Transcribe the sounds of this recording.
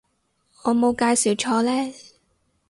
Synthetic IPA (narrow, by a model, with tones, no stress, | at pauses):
ɔː˨˧mo˨˧wkaː˧jsi˨˩wt͡ʃʰɔː˧lɛː˥